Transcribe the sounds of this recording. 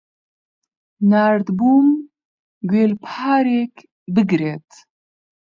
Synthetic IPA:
naːɾd̪buːm | ɡeːlpʰaːɾek | bɨɡɾeːt̪

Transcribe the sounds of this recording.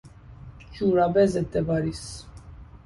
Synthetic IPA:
d͡ʒuɾabɛzɛd̪ɛbaɾis

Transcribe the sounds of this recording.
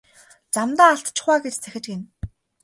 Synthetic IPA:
t͡samt̪aːɬt̪t͡ɕʰɪ̆χwaːɡet͡ɕt͡sʰæxʲɪ̆t͡ɕɡen

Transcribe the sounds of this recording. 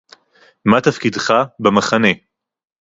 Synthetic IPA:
mat̪afkid̪χabemaχane̞

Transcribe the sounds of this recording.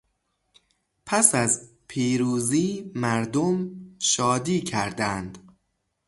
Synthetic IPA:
pʰæsæz | pʰiːɾuːziːmæɾd̪omʃɒːd̪iːcʰæɾd̪ænd̪

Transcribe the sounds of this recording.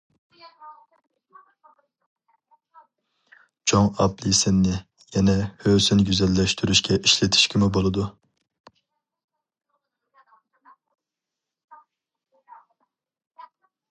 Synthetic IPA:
t͡ʃʰoŋɑplisɪnːɪ | jɛnɛhøːsynɡʲyzɛlːɛʃt̪ʰyɾyʃkʲʰɛʔiʃlet̪ʰi̥ʃkʲʰimɪbolˠɨd̪u

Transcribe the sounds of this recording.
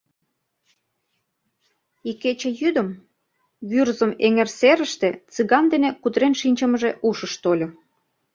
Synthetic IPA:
ikːet͡ɕĕjyd̪ə̆m | βyrzəmeŋerseɾə̆ʃt̪et͡sɨɣɑnd̪enekud̪ɾenʃinʲt͡ɕə̆məʒeʔuʃəʃt̪olʲo

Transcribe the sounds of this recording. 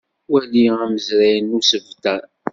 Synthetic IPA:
wæliæməzɾæjənːusəvt̪æ

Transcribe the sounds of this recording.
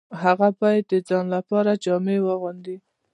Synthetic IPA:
ɦaɣapajd̪əd͡zɑnlapɑɾad͡ʒɑmewəɣund̪i

